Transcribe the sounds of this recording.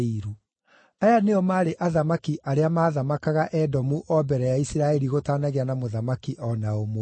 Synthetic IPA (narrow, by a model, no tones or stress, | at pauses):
iɾu | ajaneɔmaːɾeʔaðamakiʔaɾeamaːðamakaɣaʔɛdɔmuʔɔbɛɾɛjaisiɾaɛɾiɣotaːnaɣeanamoðamakiʔɔnaomw